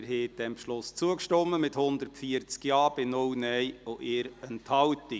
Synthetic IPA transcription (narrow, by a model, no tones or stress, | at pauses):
ɾɦeːd̥ɛmpʃlʊst͡suəkʃtɔmːəmɪthʊnd̪ərtfiəɾt͡skjɑːb̥ɪnʊwnɛjoʔɪːɾəntʰhɑwti